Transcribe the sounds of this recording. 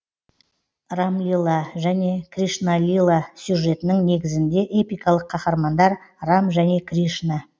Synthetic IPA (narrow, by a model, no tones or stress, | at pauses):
ramlʲilˠaʒæne̞kriʂnalʲilˠasʲjuʒe̞t̪ɪnɪŋne̞ɡʲɪzɪnd̪e̞ʔe̞pijkɑlˠəqʰːɑχɑɾmɑnd̪ɑɾramʒæne̞kriʃna